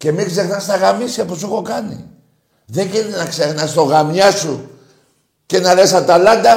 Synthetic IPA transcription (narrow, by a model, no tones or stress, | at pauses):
kemiks̬exnast̪aɣamisapusukokanḭ | ðekininaksexnast̪oɣamɲasu | kenalesat̪alad̪a